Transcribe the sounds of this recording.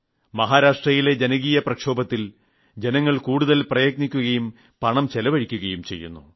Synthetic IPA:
mɐɦaːɾaːʂʈrɐjile̞d͡ʑenɐɣiːjɐprɐkʂo̞ːbɐt̪ːil | d͡ʑe̞nɐŋːɐɭkuːɽuðɐlprɐjɐk̚nikʲːuɣɐjum | pɐɳɐmt͡ɕelɐʋɐɻikʲːuɣɐjumt͡ɕe̞̰jːṵnːṵ

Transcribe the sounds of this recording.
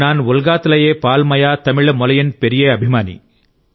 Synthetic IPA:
naːnʋʊlɡaːt̪ɐlɐjeːpaːlmɐjaːt̪ɐmiɭɐmɔlɐjɐnpeɾijeːɐbʱimaːnḭ

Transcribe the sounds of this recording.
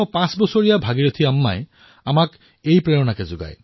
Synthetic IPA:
ɔpãsbɔsoɹijabʱaɡiɹot̪ʰiamːa̰j | amak | ejpɹejɔnakɛzʊɡa̰j

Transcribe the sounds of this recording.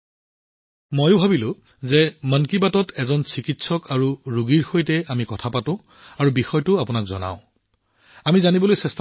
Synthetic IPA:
mojʊbʱabilʊ̃ | zɛmankibatɔtʰɛzɔnsikitsɔkʰaɹuɹuɡiɹxojtɛamikɔtʰapatʊ̃ | aɹubixɔjtʊapʊnakzɔ̰na̰ʊ̃ | amizanibɔlojsɛstʰ

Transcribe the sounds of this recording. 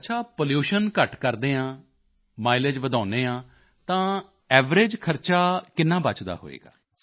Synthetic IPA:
ətːt͡ʃʰaːpoljuːʃənkəʈkəɾd̪ẽːãː | maːɪleːd͡ʒʋəd̪ãːneːãː | t̪ãː | ɛːʋɾeːd͡ʒkʰəɾt͡ʃaːkɪnːãːbət͡ʃd̪a̰ːɦo̰ːḛːɡa̰ː

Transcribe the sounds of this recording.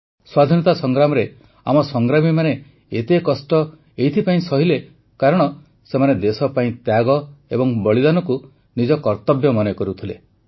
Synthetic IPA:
swad̪ʱinɔt̪asɔŋɡɾamɔɾe | a̰mɔsɔŋɡɾamimane | et̪ekɔsʈɔ | ejt̪ʰipaĩsɔɦile | kaɾɔɽ̃ɔ | semaned̪esɔpaĩt̪jaɡɔebɔŋbɔɭid̪anɔku | nid͡ʒɔkɔɾt̪ɔbjɔmɔnekɔɾut̪ʰilḛ

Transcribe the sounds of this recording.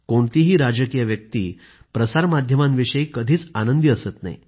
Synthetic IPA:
koɳt̪iɦiːɾad͡ʑəkijʋjək̚t̪ḭː | pɾəsaɾmad̪ʱjəmãnʋiɕəiːkəd̪ʱiːt͡sanənd̪iəsət̪na̰ḭ

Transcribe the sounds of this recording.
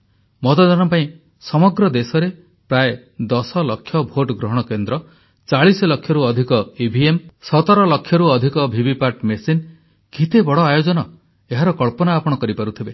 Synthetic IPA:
mɔt̪ɔd̪anɔpaĩ | sɔmɔɡɾɔd̪esɔɾe | pɾae | d̪ɔsɔlɔkʰːjɔbʱoʈɡɾɔɦɔɽ̃ɔkend̪ɾɔ | t͡ʃaɭisɔlɔkʰːjɔɾuɔd̪ʱikɔibʱiemsɔt̪ɔɾɔlɔkʰːjɔɾuɔd̪ʱikɔbʱibipaʈmesin | ɡʱit̪ebɔɽɔajod͡ʒɔnɔ | eɦaɾɔkɔɭpɔnaːpɔɽ̃ɔkɔɾipaɾut̪ʰibe

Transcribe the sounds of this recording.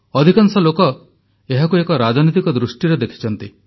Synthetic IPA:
ɔd̪ʱikaŋsɔlokɔ | eɦakuekɔɾad͡ʒɔnit̪ikɔd̪ɾusʈiɾed̪ekʰi̥t͡ʃʰɔnt̪i

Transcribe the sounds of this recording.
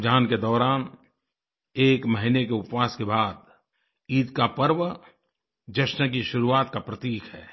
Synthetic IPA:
d͡ʒʱaːnked̪ɔːɾaːn | eːkməɦinekeʊpwaːskebaːd̪ | iːd̪kapəɾʋə | d͡ʒəʃnək̬iʃʊɾuaːt̪kapɾət̪iːkɦɛː

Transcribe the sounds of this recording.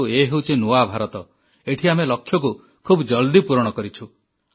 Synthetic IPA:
ueɦewt͡ʃʰinuabʱaɾɔt̪ɔ | eʈʰiamelɔkʰːjɔk̬u | kʰubd͡ʒɔld̪ipuɾɔɽ̃ɔkɔɾit͡ʃʰu

